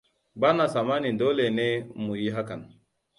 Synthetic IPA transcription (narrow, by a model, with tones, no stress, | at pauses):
ba˦na˨sa˨ma˦ni˨ndo˦le˨ne˦mu˨ji˦ɦa˦ka˨n